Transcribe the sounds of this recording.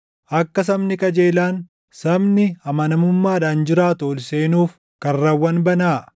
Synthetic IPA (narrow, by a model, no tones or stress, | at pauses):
ʔɐkːɐs̬ɐmnɪkʼɐd͡ʒe̞ːlaːn | sɐmnɪɐmɐnɐmʊmːaːᶑaːnd͡ʒɪɾaːt̪oːlse̞ːnuːf | kɐrrɐwːɐnbɐnaː